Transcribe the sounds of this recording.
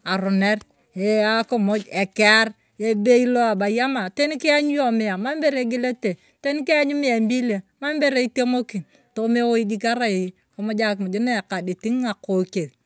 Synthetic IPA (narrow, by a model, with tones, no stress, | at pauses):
a˨ɾʊ˨ne˦r | e˨a˦ko˦mo˦d͡ʒe˨ke˦a˦ɾ | e˦be˦i˦lo˦a˨ba˨ja˦ma˨te˦ni˦ki˦a˦ɲ˦jo˦mɪ˦a˨ma˦m˦be˦ɾe˨˦ɡi˦le˦te˨ | te˦ni˦ke˦a˦ɲu˦mɪ˦a˨mbi˦le˨ma˦mbe˦ɾe˦i˦te˦mo˦ki˨ | to˦me˦wo˦i˦d͡ʒi˦ka˦ɾa˦˨˦ | ko˨˦mo˦d͡ʒa˦kmʊ˨d͡ʒi˦ne˦˨ka˨di˨ti˦ŋa˨ko˨ke˨t